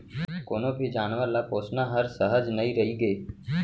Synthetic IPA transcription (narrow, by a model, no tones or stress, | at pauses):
koːnõːbʱid͡ʒaːnʋaːlaːpoːsnãːɦəɾsəɦəd͡ʒnəĩːɾəɦiːɡeː